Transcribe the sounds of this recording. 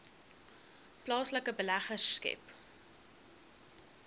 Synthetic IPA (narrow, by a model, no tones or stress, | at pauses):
plɑːsləkəbəlæχərkɛ̰p